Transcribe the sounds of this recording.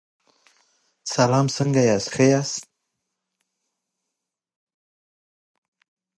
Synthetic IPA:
salɑmsəŋɡajasxəjast̪

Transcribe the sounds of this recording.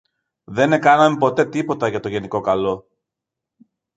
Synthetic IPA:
ðe̞ne̞kɐnɐmepo̞t̪e̞t̪ipo̞t̪ɐʝɐt̪o̞ʝe̞niko̞kɐlo̞

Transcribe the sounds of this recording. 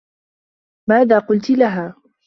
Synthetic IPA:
maːðaːqʊlt̪laɦaː

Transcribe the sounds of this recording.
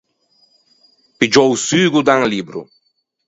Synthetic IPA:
pid͡ʒɔwsyɡud̪ãŋlibɾṵ

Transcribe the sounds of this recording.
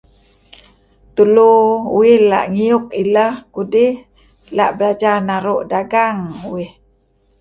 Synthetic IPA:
t̪uluuɪhla̰ʔŋiʊk̚iləhkudɪh | la̰ʔbəlad͡ʒanaɾuʔdaɡaŋuwɪh

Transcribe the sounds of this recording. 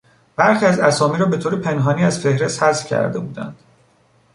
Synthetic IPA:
b̥æɾxiæzæsɒːmiːɾɒːbe̞t̪ʰoːɾepʰe̞nɦɒːniːæzfe̞hɾe̞st̪hæzcʰæ̰ɾd̪e̞buːd̪æ̰nd̪̥

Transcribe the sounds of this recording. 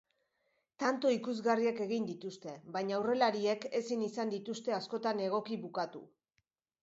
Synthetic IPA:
t̪ant̪o̞ikuzɣarieke̞ɣ̞ind̪it̪ust̪e̞βajɲawre̞laɾie̞ke̞sinisand̪it̪ust̪e̞asko̞t̪ane̞ɣ̞o̞kiβukat̪ṵ

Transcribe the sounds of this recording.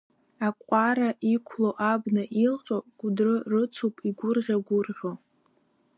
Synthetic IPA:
akʷʼaɾaʔikʷʰloʔabnɨʔilqʲʼoɡ̥ʷʼʊdrɨrɨt͡sʰupʼiɡʷʊrʁʲaɡʷʊrʁʲo

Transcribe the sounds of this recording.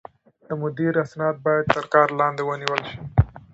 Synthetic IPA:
d̪əmʊd̪iɾasnɑd̪̚bɑjad̪̚t̪əɾkɑɾlɑnd̪ewəniwəlʃi̥

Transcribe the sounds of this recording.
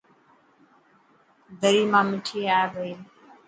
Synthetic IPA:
d̪əɾiːmãːmɪʈʰiːaːeʋəiː

